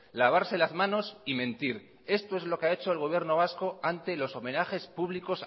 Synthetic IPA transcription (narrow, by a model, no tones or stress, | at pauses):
laβ̞aɾse̞lazmano̞simẽnt̪iɾ | e̞st̪o̞e̞zlo̞keae̞t͡ʃo̞elɣoβje̞ɾno̞β̞asko̞ant̪e̞lo̞so̞me̞naxe̞spuβ̞liko̞s